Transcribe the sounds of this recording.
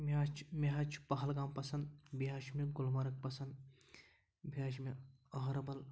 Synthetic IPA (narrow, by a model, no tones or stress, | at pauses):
mat͡ʃʰmeɦɐt͡ʃʰpɐɦɐlɡaːmpɐsɐnd̪biɦaʃmiɡʊlmɐɾɐk̚pɐsɐnd̪ | biaːʃmiɐɦɐɾɐbɐl